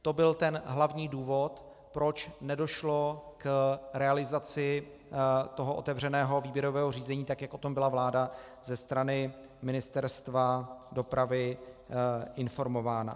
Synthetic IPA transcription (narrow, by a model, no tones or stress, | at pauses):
t̪o̞bɪlt̪ɛnɦlavɲiːduːvo̞t̪ | pɾo̞t͡ʃnɛdo̞ʃlo̞kɾɛalɪzat͡sɪ | t̪o̞ɦoʔo̞̰t̪ɛvr̝ɛnɛːɦo̞viːbjɛɾo̞vɛːɦor̝iːzɛɲiːt̪akjakʔot̪o̞mbɪlavlaːda | zɛst̪ɾanɪ | mɪnɪst̪ɛɾst̪vado̞pɾavɪ | ʔɪnfo̞ɾmo̞vaːna̰